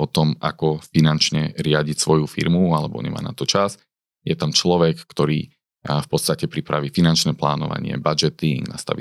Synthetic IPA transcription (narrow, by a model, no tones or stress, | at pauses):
ɔt̪ɔmakɔfinant͡ʃɲɛɾɪaɟicsʋɔjufḭɾmualɛbɔ̰ɲɛ̰ma̰ːna̰t̪ɔt͡ʃas | jɛt̪amt͡ʃlɔʋɛkːt̪ɔɾḭː | fpɔt̪st̪acɛpɾipɾaʋiːfinant͡ʃnɛːpla̰ːnɔ̰ʋa̰ɲɪɛ̰bad͡ʒɛt̪iŋɡna̰st̪a̰ʋḭ